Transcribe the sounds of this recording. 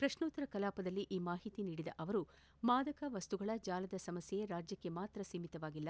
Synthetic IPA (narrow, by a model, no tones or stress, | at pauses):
pɾɐʃnuːt̪ːɐɾɐkɐlaːpɐd̪ɐlːiʔiːmaːɦit̪iniːɽid̪ɐ̰ʔɐʋɐɾu | maːd̪ɐkɐʋɐst̪uɡɐɭɐd͡ʒaːlɐd̪ɐsɐmɐsjejeɾaːd͡ʒjɐkːe̞maːt̪ɾɐsimit̪ɐʋaːɡilːɐ